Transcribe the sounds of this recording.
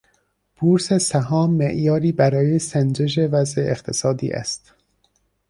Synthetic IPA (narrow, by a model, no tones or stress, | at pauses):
b̥uːɾsesæɦɒːmːeʔjɒːɾiːbæɾɒːjesænd͡ʒeʃ̬evæzʔeʔext̪ʰesɒːd̪ḭːʔæ̰st̪